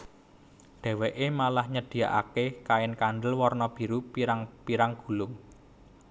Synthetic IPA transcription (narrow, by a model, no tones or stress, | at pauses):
ɖ̪̥ɛ̤weʔemalahɲəd̪̥i̤jaʔa̰kekaɪnkanɖ̪əlwɔrnɔb̥i̤ɾupiɾaŋpiɾaŋɡ̥ṳlʊŋ